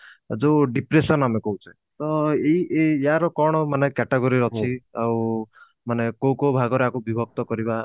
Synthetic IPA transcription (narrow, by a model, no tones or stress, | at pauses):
d͡ʒoɖipɾesɔnamekɔut͡ʃʰe | t̪ɔeiʔejaɾɔkɔɽ̃ɔmanekɛʈeɡoɾiɾɔt͡ʃʰiaw | manekowkobʱaɡɔɾeakubibʱɔk̚t̪ɔkɔɾiba